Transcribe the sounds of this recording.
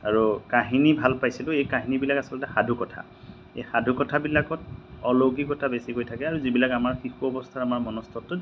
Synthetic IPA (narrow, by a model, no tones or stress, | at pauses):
aɹukaɦinibʱalpajsilʊejkaɦinibilakasɔlɔtɛxadʱukɔtʰa̰ | ḛjxadʱukɔtʰabilakɔtɔloɡikɔtʰabesikojtʰakɛaɹuzibilakamaɹxixuɔbɔstʰaamaɹmɔnɔstʰɔtːɔ